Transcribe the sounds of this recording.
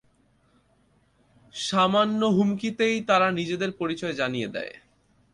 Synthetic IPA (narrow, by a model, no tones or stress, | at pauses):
ʃamanːoɦumkit̪ejt̪aɾanid͡ʑed̪eɾpoɾit͡ɕɔed͡ʑanijed̪ɛ̰e